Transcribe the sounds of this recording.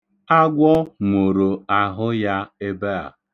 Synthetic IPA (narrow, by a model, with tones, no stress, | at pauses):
a˦ɡʷɔ˦mo˨ɾo˨a˨ɦʊ˦ja˦e˦be˦a̰˨